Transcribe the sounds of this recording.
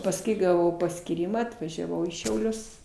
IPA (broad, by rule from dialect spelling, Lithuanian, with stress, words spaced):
pɐsˈkʊɪ ɡɐˈʋɐʊ pɐsʲkʲiːˈrʲiːmɐ ɐtʋɐʒʲɛˈʋɐʊ iː ʃʲɛʊˈlʲʊs